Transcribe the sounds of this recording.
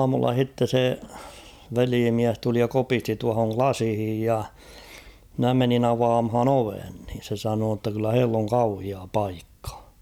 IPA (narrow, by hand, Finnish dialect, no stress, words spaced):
ɑːmulːɑ h̝itːe se ʋeliːmiæs tuli jɑ kopisti tuɑhoŋ klɑsĭhij jɑ mnæ menin ɑʋɑːmhɑn oʋen niːn̞ se sɑnoː tːɑ kylːæ heilː oŋ kɑuhiɑ pɑikːɑ̥